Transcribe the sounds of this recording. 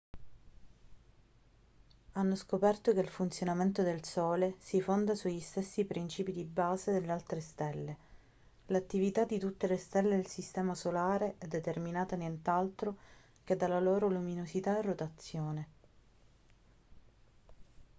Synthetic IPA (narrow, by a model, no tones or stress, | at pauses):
anːoskopɛrt̪okeilfunt̪sjonament̪od̪elsɔːlesifond̪asuʎːist̪esːipɾint͡ʃiːpid̪ibaːzed̪elːealt̪ɾest̪ɛlːe | lat̪ːivit̪ad̪it̪ut̪ːelest̪ɛlːed̪elsist̪ɛːmasolaːɾeʔɛd̪ːet̪erminaːt̪anjent̪alt̪ɾo | k̟ed̪ːalaloːɾoluminosit̪aerːot̪at̪sːjoːne